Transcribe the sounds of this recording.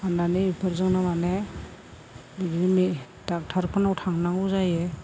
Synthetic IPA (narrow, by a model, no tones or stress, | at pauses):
ananiipʰɯɾzɯŋnamane | biɡimi | dak̚tʰaɾpʰɯnawtʰaŋnaŋuzaje